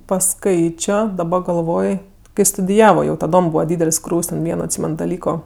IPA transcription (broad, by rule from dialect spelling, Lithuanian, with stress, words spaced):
pɐˈskɐɪt͡ʃʲoː dɐˈbɐ ɡɐlˠˈʋoːj kɐɪ stʊdʲɪˈjæːʋoː jɛʊ tɐˈdoːm ˈbuːʋɐ ˈdʲiːdʲɛlʲsʲ ˈkruːwsʲ tʲɛn ˈʋʲiɛnoː ɐtʲˈsʲiːmʲɛn dɐˈlʲiːkoː